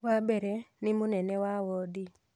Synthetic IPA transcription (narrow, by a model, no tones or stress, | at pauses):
wabɛɾɛnɪmʊnɛnɛwawɔdi